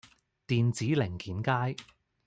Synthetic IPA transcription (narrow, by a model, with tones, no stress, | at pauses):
t̪iː˨nt͡siː˨˥lɪ˨˩ŋkiː˨˥nkaː˥j